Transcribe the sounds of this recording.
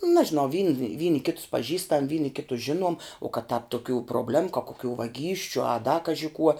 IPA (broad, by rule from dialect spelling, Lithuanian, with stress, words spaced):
ˈnɑːʒʲɪnɐʊ ʋʲiːn ˈʋʲiːnʲɪ ˈkʲɪtʊs pɐˈʒʲiːstɐm ˈʋʲiːnʲɪ ˈkʲɪtʊs ˈʒʲɪnuɔm ʊ kɐt tɑːp tʊˈkʲuː proːbʲˈlʲæːmʊ kɐ koːˈkʲuː ʋɐˈɡʲiːsʲt͡ʃʲʊ ɐ dɐ ˈkɑːʒʲɪ kuɔ